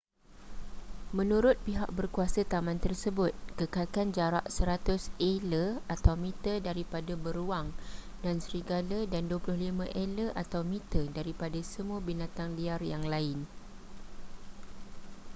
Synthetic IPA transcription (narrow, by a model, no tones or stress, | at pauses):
mə̃nũɾʊt̪̚piɦak̚bərkuasət̪amãnt̪ərsəbʊt̪̚kəkakand͡ʒaɾa̰ʔsəɾat̪ʊseləat̪awmĩt̪ədaɾipadabəɾuaŋ | dansəɾiɡalədanduəplʊhlimãʔeləʔat̪awmĩt̪ədaɾipadasəmũabinãt̪aŋliarjaŋlaɪn